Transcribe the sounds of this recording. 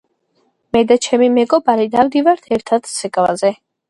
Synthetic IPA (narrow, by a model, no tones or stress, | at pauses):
mɛd̪at͡ʃʰɛmimɛɡɔbaɾid̪amd̪ivaɾt̪ʰɛɾt̪ʰad̪sʰɛkʼla̰zɛ